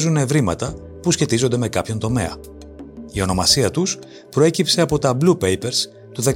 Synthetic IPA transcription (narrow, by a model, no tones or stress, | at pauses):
zune̞vɾimɐt̪ɐ | pusçe̞t̪izo̞nd̪e̞me̞kɐpço̞nt̪o̞me̞̰ɐ̰ | io̞no̞mɐsiɐt̪us | pɾo̞e̞cipse̞ɐpo̞t̪ɐblupe̞jpe̞ɾs | t̪uðe̞